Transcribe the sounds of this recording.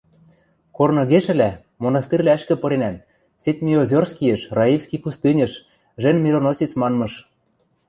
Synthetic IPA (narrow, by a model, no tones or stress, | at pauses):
kornɤ̆ɣeʃɘ̆læ | monɑst̪irʲlææʃkɘ̆pɤ̆ɾenæm | set̪̚ʲmʲiozʲorskijĕʃrɑifskipust̪ɨnʲɤ̆ʃ | ʒɘ̆nmʲiɾonosʲit͡smɑnmɤ̆ʃ